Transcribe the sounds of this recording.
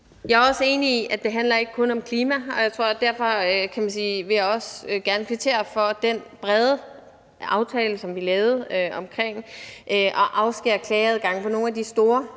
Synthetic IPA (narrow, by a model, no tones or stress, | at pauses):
jɑ̈æɒ̽səe̝ːniiʔæd̥e̝ɦænlɐe̝ɡ̥əkʰɔ̽nɒ̽mkʰliːmæɒ̽jɑ̈ɪt͡sʰʁo̝ɐ̰d̥æɐ̰fɒ̽økʰæmænsiːʋe̝jäɒ̽sɡ̥æɐnəkʰʋit͡sʰe̝̰ːɐfɒ̽d̥enb̥ʁɛð̞ˠə | ɑ̈ʊt͡sʰɛːləsɒ̽mʋilɛːʊð̞̩ˠøɒ̽mkʰʁeŋ̰ʔøʔɒ̽ʔɑ̈ʊsɡ̥eɐkʰlɛːð̞ˠɡ̥ɑ̈ŋəpʰɒ̽no̝ːnæd̥isd̥o̝ːɐ